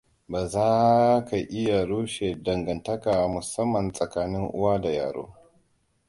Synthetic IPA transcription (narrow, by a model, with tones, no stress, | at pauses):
baː˨zaː˦ka˨ʔɪ˦ja˨ɽoː˦ʃeː˨dɐ˨ŋɡɐ˨ntɐ˦kaː˨mʊ˨sɐ˦mːɐ˨nsʼɐ˨kaː˦nɪ˦ŋʔʊ̰˦waː˦da˨ja̰ː˨ɽo̰ː˦